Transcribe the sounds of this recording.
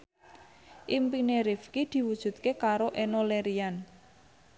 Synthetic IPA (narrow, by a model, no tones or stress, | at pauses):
ʔimpineɾifkid̪̥i̤wud̥ʒ̥ṳt̪̚kekaɾoʔenoleɾian